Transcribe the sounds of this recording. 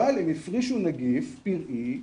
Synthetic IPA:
alhemifʁiʃunaɡifpiʁʔi

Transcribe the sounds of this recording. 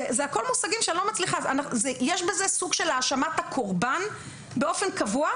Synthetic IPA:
ezeako̞lmusaɡimʃelo̞mat͡sliχazanaχzejeʃbezesuɡʃelaːʃamat̪akʰoʁban | beo̞fe̞nkavua

